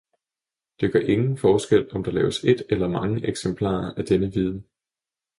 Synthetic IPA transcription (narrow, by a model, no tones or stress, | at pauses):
d̥eɡ̥ɶɐʔe̝ŋn̩fɒːsɡ̥el̰ɒ̽md̥ɑ̈lɛ̰ːʊəse̝d̥elɐmɑ̈ŋəʔeɡ̥sempʰlɑ̰̈ːɐæd̥enəʋið̞ˠn̩